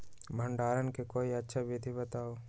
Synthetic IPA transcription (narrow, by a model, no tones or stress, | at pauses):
bʱə̃ɳɖaːɾənkekoːiɐtːʃʰabid̪ʱibɐt̪aːoː